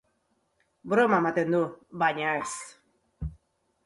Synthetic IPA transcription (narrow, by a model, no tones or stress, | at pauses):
bɾomamat̪end̪obaɲaes